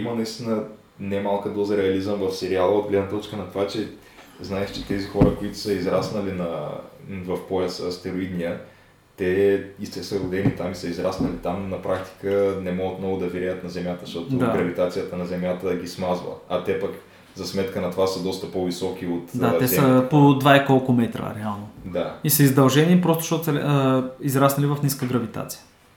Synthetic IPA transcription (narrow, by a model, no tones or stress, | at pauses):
imənɐist̪inə | nɛmalˠkəd̪ɔzəɾɛɐlizəmvɐfsɛɾialˠəod̪̚ɡlɛd̪nət̪ɔt͡ʃkənɐt̪ovat͡ʃɛ | znaɛʃt͡ʃɛ̥t̪ɛzixɔɾəkoit̪ʊ̥səizɾasnɐlinɐ | vɐfpoɛsəɐst̪ɛɾoid̪nijə | t̪ɛist̪ɛsəɡʊd̪ɛnit̪amisəizɾasnɐlit̪amnɐpɾʔak̚t̪i̥kənɛmɔɡət̪mnɔɡʊd̪ɐviɾɛjət̪nɐzɛmʲjat̪əʃt̪ɔt̪od̪aɡɾɐvit̪at̪sijət̪ənɐzɛmjat̪əɡismazvə̰ɐt̪ɛpək | zɐsmɛt̪kənɐt̪ovasəd̪ɔst̪əpɔvisɔk̟iot̪d̪aat̪ɛsəpod̪vaɛkɔlˠkʊmɛt̪ɾə̰ɾɛalˠnod̪aisɐizd̪ɐlˠʒɛnipɾɔst̪ʊ̥ʃt̪ɔt̪sɐɾɛizɾasnɐlivɐfniskəɡɾɐvit̪a̰t̪sijə̥